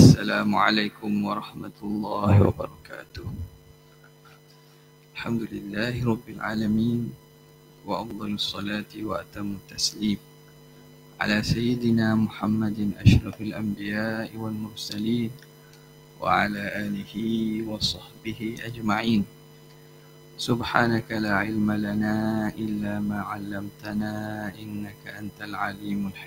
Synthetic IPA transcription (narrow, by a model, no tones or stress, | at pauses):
ʔsːalaːmʊʕa̰lajkʊmwɑɾˤɑħmat̪lˤːɑːhɪwa̰bɑ̰ɾˤɑka̰ːt̪ʊh | ʔalħamd̪ʊlɪlːaːhɪɾˤɑbːɪlʕa̰ːlamiːn | waʔɑfd̪ˤɑlɑsˤːɑlaːt̪ɪwaʔat̪amːʊt̪ːasliːm | ʕa̰laːsajːɪd̪ɪnaːmʊħamːad̪ʔaʃɾˤɑfalʔambɪjaːʔɪwalmʊɾsaliːn | wa̰ʕalaːʔaːlɪhɪwɑsˤɑħbɪhɪʔad͡ʒmaʕiːn | sʊbħaːnakalaːʕɪlmalanaːʔɪlːaːmaːʕalːamt̪anaːʔɪnːakaʔant̪alʕaliːmʊlħ